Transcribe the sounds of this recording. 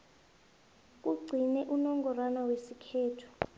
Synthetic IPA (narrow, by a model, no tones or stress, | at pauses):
k̬ʼuɡ͡ǀʱinɛʔunɔŋɡʱɔranawesikʰɛːtʰu̥